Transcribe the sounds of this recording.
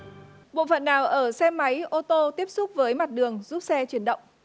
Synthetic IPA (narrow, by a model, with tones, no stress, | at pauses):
ɓo̰˧˨fə̰˧˨nːaː˨˩wʔəː˧˩sɛ˧ma˨˦jʔo˧t̪o˧t̪i˦˥əp̚sʊ˦˥k͡p̚vəː˨˦jma˨˩t̚ɗɨ˨˩əŋzu˦˥p̚sɛ˧t͡ɕi˨˦ənɗə̰˧˨wŋ͡m